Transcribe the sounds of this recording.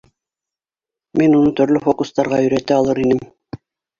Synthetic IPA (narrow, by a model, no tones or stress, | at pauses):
minunɤt̪ɵ̆ɾlɵfokust̪ɑɾʁɑɵ̆ɾæt̪æɑlˠɤɾinɘm